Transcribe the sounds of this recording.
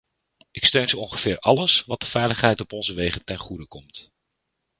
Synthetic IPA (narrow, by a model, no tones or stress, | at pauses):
ɪkstøɥnzəɔnχəv̥ɪːɹʔɑləsʋɑt̚dəv̥ɛjləχɦɛjtɔpɔnzəʋejχətɛnχudəkɔmt